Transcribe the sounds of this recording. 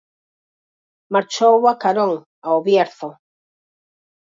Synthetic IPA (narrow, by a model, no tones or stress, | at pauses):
maɾt͡ʃowakaɾõŋ | aoβjeɾθo